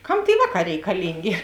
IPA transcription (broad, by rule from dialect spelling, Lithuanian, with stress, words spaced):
ˈkɐm tʲeːɪ ˈʋɑːˌkɑː rʲɛɪkɐˈlʲɪŋʲɡʲeː